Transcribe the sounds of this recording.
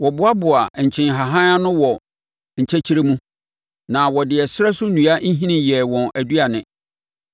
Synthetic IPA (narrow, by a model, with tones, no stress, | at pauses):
wɔ˨bʊ˦a˦bʊ˨a˨ɲ̩˨t͡ɕʰɪ̃˨nɦa˨ɦã˦a˦nʊ̃˦wɔ˨ | ɲ̩˨t͡ɕʰɛ˦t͡ɕʰi˦ɾe˦mũ˦ | nã˨wɔ˨dɪ˨ɛ˨sɪ˦ɾɛ˦sʊ˦nũ˨a˦n̩˦ɦĩ˦nɪ̃˨jɛ˨wɔ̃˨næ˨du˦a˨nɪ̃˨